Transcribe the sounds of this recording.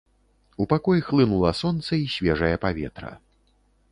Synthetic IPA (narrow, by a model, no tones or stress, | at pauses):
upakɔjixlˠɨnulˠɐsɔnt̪sɐisʲvʲɛʐɐjɐpavʲɛ̰t̪ɾɐ̰